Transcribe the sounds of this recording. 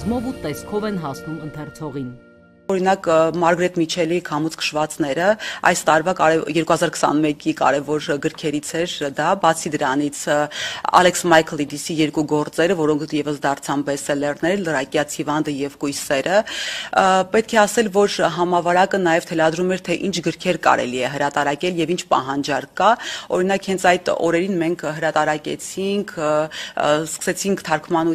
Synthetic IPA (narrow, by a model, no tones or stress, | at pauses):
zmɔvut̪ɛskʰɔvɛnɦɑsnumənt̪ʰɛrt͡sʰɔʁin | ɔɾinɑkmɑɾɡɾɛt̪mit͡ʃʰɛlikʰɑmut͡sʰkʰə̥ʃvɑt͡snɛɾəɑ̰jst̪ɑɾvɑkɑɾɛjɛɾkuhɑzɑɾkʰə̥sɑ̰nmɛkikɑ̰ɾɛvɔɾɡəɾkʰɛɾit͡sʰɛɾd̪ɑbɑt͡sʰid̪əɾɑnit͡sʰɑ̰lɛksmɑjkʰlid̪isijɛɾkuɡɔɾt͡sɛɾəvɔɾɔŋkʰjɛvəsd̪ɑrt͡sʰɑmbɛsɛlɛrnɛɾlərɑkjɑt͡sʰhivɑnd̪əjɛvkujsɛɾə | pɛt̪̚kʰɛɑsɛlvɔɾɦɑmɑvɑɾɑkənɑjɛvt̪ʰɛlɑd̪ɾumɛɾt̪ʰɛʔint͡ʃʰɡəɾkʰɛɾkɑ̰ɾɛ̰liɛɦəɾɑt̪ɑɾɑkʲɛljɛvint͡ʃʰpɑ̰ɦɑnd͡ʒɑɾkɑɔɾin̪ɑkhɛnt͡sʰɑjt̪ɔ̰ɾɛɾinmɛŋkʰɦəɾɑt̪ɑɾɑkʲɛ̰t͡sʰiŋkʰ | skə̥sɛt͡sʰiŋkʰt̪ʰɑɾkʰmɑnu